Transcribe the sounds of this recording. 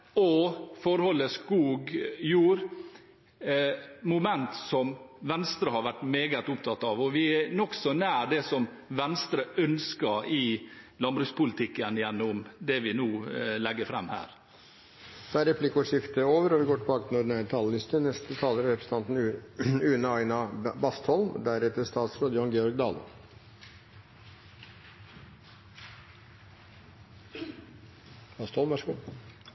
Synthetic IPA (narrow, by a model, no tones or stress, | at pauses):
ɔfɔɾhɔlːəskuːɡjuːɾ | mʊmɛnt̪sɔmʋɛnst̪ɾəhɑɾʋæʈːmeːɡət̪ʊpt̪ʰɑt̪ːɑʋɔʋɪænɔksɔnæːɾɖɛsɔm | ʋɛnst̪ɾəʔœnskəɾɪlɑmbɾʉːspʊlɪt̪ʰɪkːənɪjɛnːʊmd̪ɛʋɪnuːlɛɡːəfɾɛmːhæ̰ːɾ | d̪̥ɛæɾɛpʰlɪkːəɔʂɪft̪əoːʋəɾɔʋɪɡoːʈʰɪbɑːkət̪ʰɪnɔɖnæt̪ʰɑːləlɪst̪ənɛst̪ət̪ʰɑːləɾɾɛpɾəsə̥t̪ʰɑnt̪n̩ʉːnəɑɪnɑbɑst̪hɔlmd̪æɾɛt̪əst̪ɑːt̪sɾoːd̪əjʊɑŋɡɛːɔɾɡ̚d̪ɑːlə̰ | b̥ɑst̪hɔlmʋæʂəɡuː